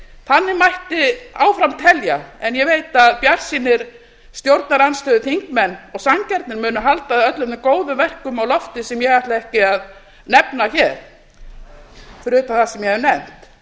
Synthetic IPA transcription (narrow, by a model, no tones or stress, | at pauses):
θanːɪmajht̪ɪawfɾamt̪ʰɛljaɛnjɛvejt̪aðpjaɾ̥sinɪɾ̥ | st̪jowɾt̪naɾanst̪œːðʏθiŋkmɛnːɔɣsaŋcɛɾt̪nɪɾmʏːnʏɦalt̪aðœt̪lʏmɪkoːwðʏvɛr̥kʏmawlɔft̪ɪsɛmjɛɣajht̪laɛhcɪað | nɛpnaçɛɾ̥ | fɾʏːt̪aθasɛmjɛhɛvnɛm̥t̪